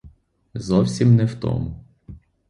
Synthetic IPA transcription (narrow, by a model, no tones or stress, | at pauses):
zɔwsʲimnɛwt̪ɔ̰mʊ